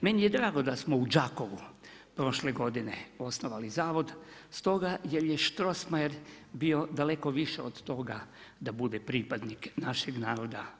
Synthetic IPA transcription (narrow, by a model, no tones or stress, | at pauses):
menijed̪ɾaːɡo̞d̪asmoud͡ʒako̞ʋu | pɾo̞ʃleɡo̞d̪ineo̞snoʋalizaːʋo̞d̪ | st̪o̞ɡajeɾjeʃt̪ɾo̞smaeɾ | bio̞d̪ale̞ko̞ʋiʃeod̪t̪o̞ɡa | d̪abud̪epɾipad̪niknaʃeɡnaːɾo̞d̪a̰